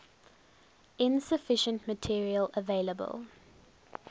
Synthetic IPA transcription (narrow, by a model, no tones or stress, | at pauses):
ɪ̃nsəfɪʃə̃ntmətʰiəɹiələveɪləbə̰lˠ